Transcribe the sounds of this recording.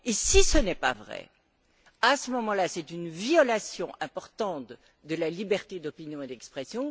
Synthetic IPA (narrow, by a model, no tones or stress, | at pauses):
esisənɛpa̰vʁɛ̰ | asəmɔmɑ̃lasɛt̪ynvjɔlasjɔ̰̃ʔɛ̃pɔʁt̪ɑ̃t̪ | d̪əlalibɛʁt̪ed̪ɔpinjɔ̃ed̪ɛkspχɛsjɔ̃